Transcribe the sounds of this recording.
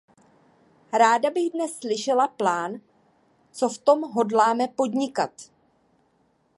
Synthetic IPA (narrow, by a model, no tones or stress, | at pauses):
ɾaːdabɪɣdnɛsːlɪʃɛlaplaːn | t͡so̞ft̪o̞mɦo̞dlaːmɛpo̞dɲɪkat̪